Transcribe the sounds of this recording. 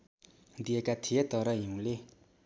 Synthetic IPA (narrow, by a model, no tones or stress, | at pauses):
d̪ekat̪ʰet̪aɾajuŋle